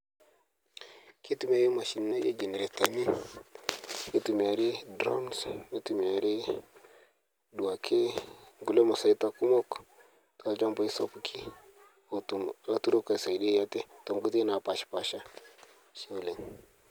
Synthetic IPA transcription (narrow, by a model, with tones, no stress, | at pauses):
ki˦tu˨m˦a˨˦ɾi˦ma˨ʃi˨n˦na˦jḛ˦d͡ʒe˨ne˨ɾe˨ta˨ni˦ | ki˦tu˨mi˨a˨ɾi˦dɾo̰˦msmi˦tu˨mi˨a˨ɾi˦ | du˨a˨kʰe˦ŋɡu˨lo˦ma˨sa˨i˦ta˦ku˦mo˦k | ta˨˦d͡ʒa˦mba˨i˦so˦ku˦kʰi˦˨ | a˦tu˦ɾu˦ka˨sa˨i˨ɗi˦ja˦te˦to˨mɡu˦ti˦na˨pa˨ʃpa˨ʃa˦ | ʃi˦wle˨ŋ